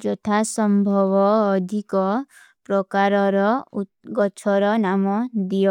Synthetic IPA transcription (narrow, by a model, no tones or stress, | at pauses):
d͡ʒɔt̪ʰasɔmbʱɔβɔːd̪ʱikɔ | pɾɔkaɾɔɾɔuɡɔt͡ʃʰɔɾɔnamɔd̪ijɔ